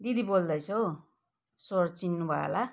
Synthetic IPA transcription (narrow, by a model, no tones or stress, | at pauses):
d̪id̪ibold̪ʌjt͡sʰʌ | soɾt͡sinːubʱaḛla